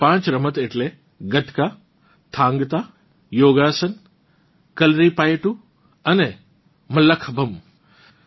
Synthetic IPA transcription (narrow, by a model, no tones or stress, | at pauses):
pãːt͡ʃɾɐmət̪eʈle | ɡɐt̪kaː | t̪ʰãːŋɡt̪aː | joːɡaːsən | kɐlɾipaːjʈu | ɐnɛ | mɐlɐkʰbʱɐm